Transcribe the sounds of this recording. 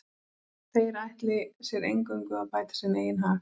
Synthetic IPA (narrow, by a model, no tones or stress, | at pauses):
θejɛɾajht̪lɪsjɛɾḛjŋkʏŋkʏapaːjt̪ḁsɛneːjɪnɦaːf